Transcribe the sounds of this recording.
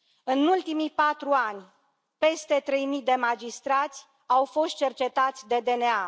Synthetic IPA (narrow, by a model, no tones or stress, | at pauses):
ɨnult̪imipat̪ɾuanʲ | pe̞st̪e̞t̪ɾe̞jmid̪e̞mad͡ʒist̪ɾat̪sʲ | awfo̞st̪̚t͡ʃe̞rt͡ʃe̞t̪at̪sʲd̪e̞d̪e̞nea